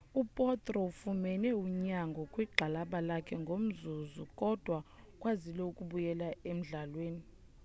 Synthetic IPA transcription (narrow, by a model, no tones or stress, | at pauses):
upʼɔtʼrɔufumɛnɛuɲaŋɡʱɔkʼwiɡ͡ǃʱalaɓalakʰɛŋɡʱom̩zuzukʼɔd̥ʱwa | kʼwazilɛukʼuɓujɛlaem̩ɮalweːni